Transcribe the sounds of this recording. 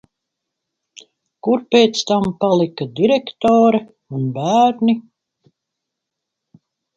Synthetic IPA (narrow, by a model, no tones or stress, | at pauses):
kuɾpʲeːt̪st̪ampalˠikad̪iɾɛkt̪ɔːɾɛ | unbæːɾni